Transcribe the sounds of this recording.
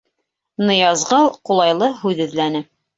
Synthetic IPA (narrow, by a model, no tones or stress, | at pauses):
nɤ̆jɑzʁɤlˠqulˠɑjlˠɤɦʉðɘ̆ðlænɘ